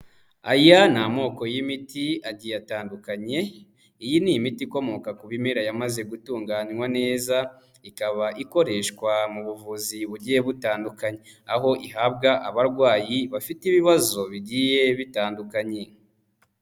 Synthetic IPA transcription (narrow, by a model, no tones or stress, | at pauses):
a̰janamo̞ko̞jimitiaɟijataːndukaɲe̞ | ijinijimitiko̞mo̞kakuβimeɾajamaze̞ɡutuːŋɡaːnŋwane̞ːza | ikaβaʔiko̞ɾe̞ːʃkwamuβuvuziβuɾɟijeβutaːndukaɲe | aɦo̞ʔiɦabɡaʔaβaɾɡwaːjiβafitiβiβazo̞βiɟije̞βitaːndukaɲe